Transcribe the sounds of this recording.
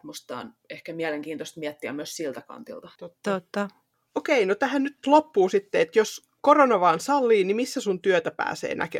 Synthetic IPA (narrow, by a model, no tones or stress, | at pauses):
must̪ɑ̰ːn | ehkæmiæleŋkiːnt̪ost̪miæt̪ːiæ̰myøssilt̪ækɑ̰nt̪ḭlt̪ɑt̪ot̪ːot̪ːɑ | okeinot̪æhænnyt̪lopːuːsit̪ːeet̪jos | koronɑʋɑːnsɑlːiːnnimisːæsunt̪yøt̪æpæ̰ːsḛːnʔæ̰ke